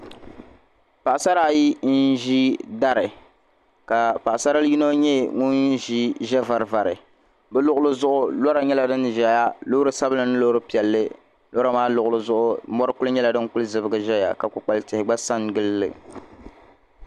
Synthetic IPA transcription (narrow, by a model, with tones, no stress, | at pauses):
pa˨ʔsa˦ɾa˦˨ji˦n̩˦ʒi˦da˦ɾɨ˨ | ka˨pa˨ʔsa˦ɾa˦lji˦no˦ɲɛ˦ŋu˦nʒi˦ʒɛ˦va˨ɾva˨ɾɨ˨ | bɨ˦lʊ˦ʔʊ˦lɨ˦zʊ˦ʔʊ˦lɔ˦ɾa˨ɲɛ˦la˨dɨ˦nʒɛ˨ja˦lo˦ɾɨ˨˦sa˦bɨ˦lɨ˨nɨ˦lo˦ɾɨ˦pi˨ɛ˨lːɨ˦ | lɔ˦ɾa˦maː˦lʊ˨ʔʊ˨lɨ˦zʊ˦ʔʊ˦mɔ˦ɾɨ˦kʊ˦lɨ˦ɲɛ˦la˨dɨ˦ŋkʊ˦ɨ˦zɨ˨bɨ˦ɡɨ˨ʒɛ˦ja̰˨ka˨kʊ˨k͡pa˨ltɪ˨hɪ˨ɡ͡ba˦sa˦nɡɨ˦lːɨ̰˨